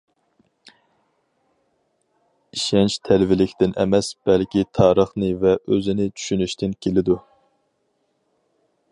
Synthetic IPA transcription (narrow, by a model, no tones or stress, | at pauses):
iʃɛnt͡ʃt̪ʰɛlvɪlɪkʲt̪ʰɪnʔɛ̰mɛsb̥ɛlkʲʰit̪ʰɑːɾəχnɨvɛʔøzɪnɪt͡ʃʰy̥ʃynyʃt̪ʰɪnkʲʰelɪd̪u